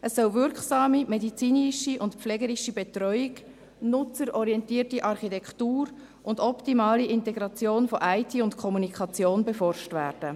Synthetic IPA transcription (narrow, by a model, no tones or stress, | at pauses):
əsːœlvʏɾkχsɑːmimɛdit͡siːniʃiʔʊntpflɛːɡəɾiʃibɛtɾɔʏiɡ | nʊt͡səɾɔɾiɛntiːtiʔɑrχitɛktuːɾ | ʔʊndɔptimɑːliʔɪntɛɡɾɑt͡sjoːnfɔʔæɪtʰiːʊntkʰɔmunikʰɑt͡sjoːnbɛfɔrʃtvæ̰ːɾd̥ə